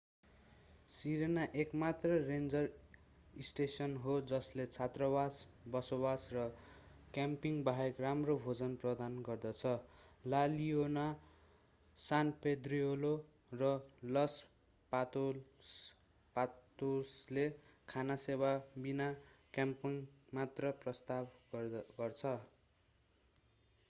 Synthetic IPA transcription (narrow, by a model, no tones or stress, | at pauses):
siɾenaʔekmat̪rʌrend͡zʌr | isʈesʌnɦod͡zʌslet͡sʰat̪rʌbasbʌsobasrʌ | kjampiŋbaɦekramrobʱod͡zʌnprʌd̪anɡʌrd̪ʌt͡sʰʌlaliona | sanped̪riolo | rʌlʌs | pat̪o | pat̪oslekʰanasewabinakjampiŋmat̪rʌprʌst̪abɡʌrt͡sʰʌ